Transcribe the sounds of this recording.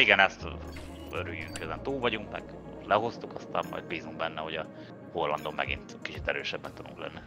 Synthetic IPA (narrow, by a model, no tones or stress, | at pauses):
iɡɛnɛst̪ | øɾyjːyŋkkøzɛnt̪uːlvɒɟuŋkmɛɡ̥ | lɛɦo̞st̪ukɒst̪a̰ːmːɒ̰jd̪biːzuŋkbɛnːɛho̞ɟɒ | ho̞lːɒnd̪o̞mːɛ̰ɡḭnt̪kit͡ʃit̪ɛɾøːʃɛbːɛk̪t̪ud̪uŋklɛ̰nːi